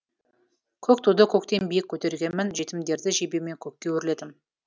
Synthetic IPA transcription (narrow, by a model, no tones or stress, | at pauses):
kʲʰɵkt̪ʰud̪əkʲʰɵkt̪e̞nbijɪkʲʰːɵt̪e̞ɾɡʲe̞nmɪnʒe̞t̪ɪmd̪e̞ɾd̪ɪʒebeme̞ŋkʲʰɵkʲːe̞wɵɾɪle̞d̪ɪm